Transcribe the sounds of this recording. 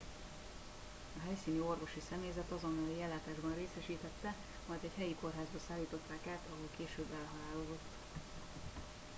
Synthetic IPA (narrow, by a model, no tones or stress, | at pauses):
ɒɦɛjsiːnyo̞rvo̞ʃisɛmeːzɛt̪ɒzonːɒlijɛlːaːt̪aːʒbɒnreːsɛʃiːt̪ɛt̪ːɛ | mɒjd̪ɛchɛjiko̞rɦaːzbɒsaːlːiːt̪o̞t̪ːaːkaːt̪ɒɦolkeːʃøːbːɛlɦɒlaːlod̪o̞t̪ː